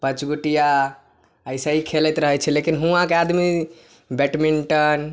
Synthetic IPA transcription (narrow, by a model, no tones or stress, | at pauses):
pət͡ʃɡoʈija | əjsaikʰelɛt̪ɾəɦət͡ʃʰɛlekinɦũãkead̪mi | bɛʈmiɳʈən